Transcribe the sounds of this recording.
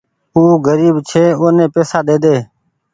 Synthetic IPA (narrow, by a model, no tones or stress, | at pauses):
uːɡəɾiːbt͡ʃʰeːoːnẽːpeːsaːd̪eːd̪eː